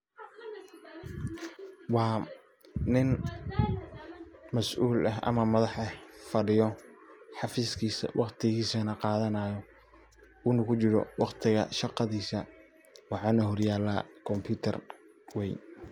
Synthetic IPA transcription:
wɑː | nɪn | mɐsʔuːlɐɦɐ̰mɐmɐðɑħɛfɐɖɪjɔħɑfiːskʰiːsɐ̰wʔɑqt̪ʰɪɣiːsɐnɐqɑːðɐnaːjɔ | ʊnʊkʰʊt͡ʃɪɾɔ̰wɑqt̪ʰɪɣɐ̰ʃɑqɑðiːsɐ | wɑħɑːnɐɦɔrjaːlaːkʰɔmpʰjuːt̪ʰɐ̰r | wɛjn

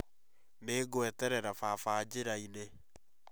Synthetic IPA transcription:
neːɡoɛtɛɾɛɾafaːfaːd͡ʑeɾaine

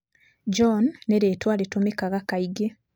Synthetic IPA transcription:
d͡ʒonːeɾeːtwaːletomekaɣakaiɡe

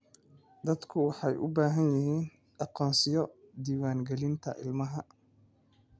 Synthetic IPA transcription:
d̪ɐd̪kʰʊwɑħɑjʔʊbaːɦɐnjɪɦiːn | ʔɑqɔːnsɪjɔd̪iːwaːŋɡɛlɪnt̪ʰɐʔɪ̰lmɐɦɐ

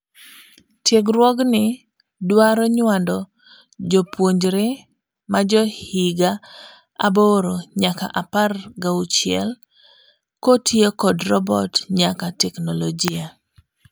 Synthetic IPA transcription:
tjeɡɾwɔɡnɪ | dwaɾɔɲwandɔ | d͡ʒopwoɲd͡ʒɾe | mad͡ʒɔhiɡa | a̰boɾoɲaka̰ʔaparɡaut͡ʃɪɛ̰l | kotʰjekɔdrɔbɔtɲakatɛknoloɡia

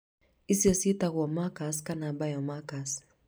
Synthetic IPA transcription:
isiɔsitaɣwɔmakaskanabajɔmakas

